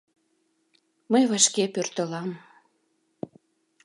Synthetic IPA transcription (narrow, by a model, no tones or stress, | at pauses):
məjβɑʃkepørt̪əlɑm